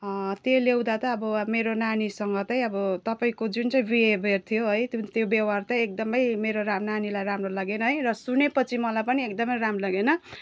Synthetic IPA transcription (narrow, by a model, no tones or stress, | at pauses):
t̪jolew̃d̪at̪ʌːbʌmeɾonanisʌŋɡʌt̪ʌj̃ʌbʌt̪ʌpaĩkod͡zunt͡saĩbiebʱert̪ʰijoɦʌjt̪t̪jobjʌwart̪ʌĩek̚d̪ʌmʌjmeɾoramnanilajramrolaɡenʌɦʌjrʌsunepʌt͡sʰimʌlajpʌniek̚d̪ʌmʌjɾamrolaɡenʌ